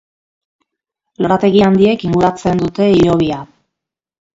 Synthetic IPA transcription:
lo̞ɾat̪e̞ɣiand̪ie̞kiŋɡuɾat͡se̞nd̪ut̪e̞iɾo̞β̞ia

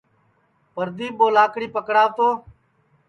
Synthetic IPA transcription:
pəɾd̪iːɓoːlaːkɽiːpəkɽaːʋt̪oː

